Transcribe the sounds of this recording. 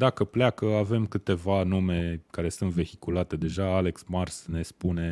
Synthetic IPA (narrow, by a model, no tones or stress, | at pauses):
d̪akəplakəave̞mkɨt̪e̞vanume̞kaɾe̞sɨnt̪ve̞hikulat̪e̞d̪e̞ʒaale̞ksmarsne̞spune̞